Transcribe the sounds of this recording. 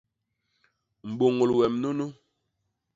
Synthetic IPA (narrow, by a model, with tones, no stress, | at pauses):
m̩˨ɓo˨ŋo˨lwɛ˨mno˦no˦